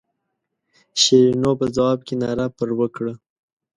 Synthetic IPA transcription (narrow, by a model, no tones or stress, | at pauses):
ʃeɾinopəzawɑb̚kenɑɾapəɾwəkɽə